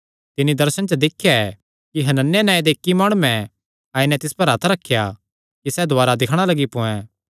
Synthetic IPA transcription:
t̪ɪnːid̪ɐɾsənt͡ʃəd̪ɪkʰːjaɛ | kiɦɐnənːjenãːĩd̪eɪkːimaːɽ̃umɛ̃ | aːinɛt̪ɪspɐɾɐt̪ʰɾɐkʰːja | kisɛːd̪ʱoaːɾad̪ɪkʰɽ̃alɐɡipõːɛ̃

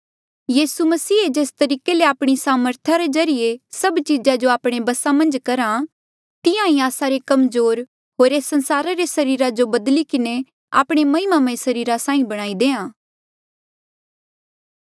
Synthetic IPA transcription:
jiːsumɐsiːed͡ʒeːst̪ɐɾiːkeleaːpɽ̃isaːməɾt̪ʰaɾezɐɾɪjesɐbt͡ʃid͡ʒad͡ʒoaːpɽ̃ebɐsãmɐ̃nd͡ʒkɐɾa | t̪ɪjãĩaːsaɾekɐmzoːɾ | ɦoːɾeːsːɐ̃nsaːɾaɾesɐɾiːɾad͡ʒobɐd̪likɪne | a̰ːpɽ̃emɐ̃ɪmamẽsɐɾiːɾasãːĩbɐɽ̃aːid̪eːãː

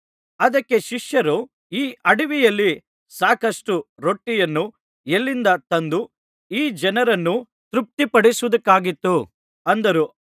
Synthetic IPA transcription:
ɐd̪ɐkːe̞ʃiʂjɐɾu | iːʔɐɽiʋijɐlːi | saːkɐsʈuɾo̞ʈːijɐnːu | elːind̪ɐt̪ɐnd̪u | iːd͡ʒɛnɐɾɐnːu | t̪ɾup̚t̪ipɐɽisuʋud̪ɐkːaːɡit̪ːu | ɐnd̪ɐɾu

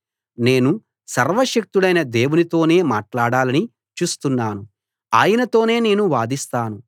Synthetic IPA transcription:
ne̞ːnu | sɐɾʋɐʂɐk̚t̪ulɐjnɐd̪e̞ːwunit̪o̞ːne̞ːmaːʈlaːɽaːlɐni | t͡ʃuːst̪unːaːnu | a̰ːjɐnɐt̪o̞ːne̞ːne̞ːnuʋaːd̪ist̪aːnu

